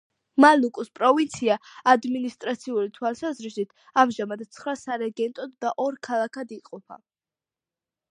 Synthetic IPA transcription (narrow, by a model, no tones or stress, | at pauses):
malukʼuspʼɾɔvint̪sʰiaad̪minist̪ʼɾat̪sʰiuɾit̪ʰwalˠsazɾisit̪ʰ | amʒamad̪t̪sʰχɾasaɾɛɡɛnt̪ʼɔd̪ːaʔɔɾkʰalˠakʰad̪iqʼɔpʰa̰